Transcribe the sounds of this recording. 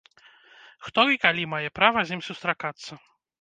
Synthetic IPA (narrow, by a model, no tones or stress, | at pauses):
xt̪ɔikalʲimajɛpɾavɐzʲimsust̪ɾakat̪sːɐ